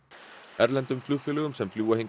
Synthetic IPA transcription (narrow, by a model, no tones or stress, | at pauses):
ɛɾlɛnt̪ʏmflufʏləɣʏmsɛmfluːaheŋ